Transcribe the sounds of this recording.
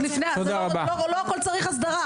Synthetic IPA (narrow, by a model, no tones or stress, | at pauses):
lifneatod̪aʁabaoloakolt͡saʁiχas̬d̪aʁa